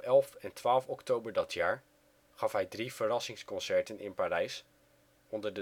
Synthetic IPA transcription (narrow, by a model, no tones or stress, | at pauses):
ɛlˠfɛntʋaːlˠfɔktowbəɹdɑtʰjaːɹ | χɑfɦɛjdriv̥ərɑsɪŋskɔnsɛɹtənɪ̰npaːrɛjs | ɔndəɹdə